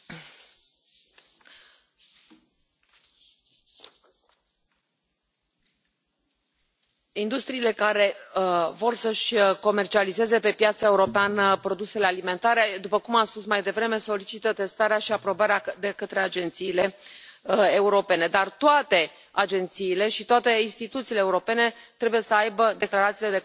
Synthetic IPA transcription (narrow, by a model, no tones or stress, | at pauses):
ind̪ust̪ɾiːle̞kaɾe̞vo̞rsəʃʲko̞me̞rt͡ʃialize̞ze̞pe̞pjat̪sae̞uɾo̞peanpɾo̞d̪usele̞alime̞nt̪aɾe̞d̪upəkumamspusmajd̪e̞vɾe̞me̞so̞lit͡ʃit̪ət̪e̞st̪aɾeaʃiapɾo̞baɾead̪e̞kət̪ɾe̞ad͡ʒe̞nt̪siːle̞ | euɾo̞pe̞ne̞d̪art̪oat̪e̞ | ad͡ʒe̞nt̪siːle̞ʃit̪oat̪e̞inst̪it̪ut̪siːleːuɾo̞pe̞ne̞t̪ɾe̞buje̞səajbəd̪e̞klaɾat̪siːle̞d̪e̞